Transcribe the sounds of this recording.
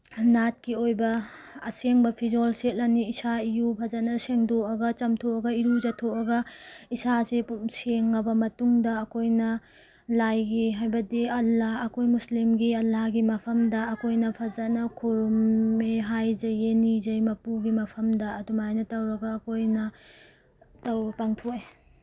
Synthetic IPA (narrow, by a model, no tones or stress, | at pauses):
nat̚kiojbɐ | ɐseŋbɐpʰizolset̚lɐniːsaijupʰɐzɐtnɐseŋdoɐɡɐt͡ʃɐmtʰoɐɡɐiɾuzɐtʰoɐɡɐisasepumseŋːɐbɐmɐtuŋdɐːkʰojnɐ | lajɡiɦajbɐdiɐlːahɐkʰojmuslimɡiɐlːahɡimɐpʰɐmdɐːkʰojnɐpʰɐzɐnɐkʰuɾumeɦajzɐjenizɐjmɐpuɡimɐpʰɐmdɐːdumajnɐtɐwɾɐɡɐːkojnɐ | tɐwpaŋtʰoj